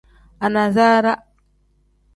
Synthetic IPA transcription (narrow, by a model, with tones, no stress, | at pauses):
a˨na˨za˦ɾa˦